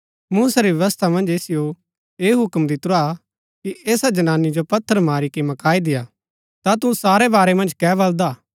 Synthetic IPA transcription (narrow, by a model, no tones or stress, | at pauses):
muːsaɾiʋjɐʋəst̪ʰamɐ̃nd͡ʒeːsɪjo | eːɦʊkmd̪it̪ʊɾa | kiʔeːsad͡ʒɐnaːnid͡ʒopɐt̪ʰːəɾmaːɾikimɐkaːid̪ɪjaː | t̪at̪usaːɾebaːɾemɐ̃nd͡ʒkɛːbɐld̪aː